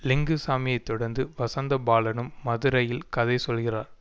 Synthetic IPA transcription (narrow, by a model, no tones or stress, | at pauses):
lɪŋɡɯsaːmɪjɐɪt̪ːɔɽɐɾnd̪ɯʋɐsɐnd̪ɐbaːlɐnɯmːɐðɯɾɐjɪlkɐðɐɪsɔlɣɪraːɾ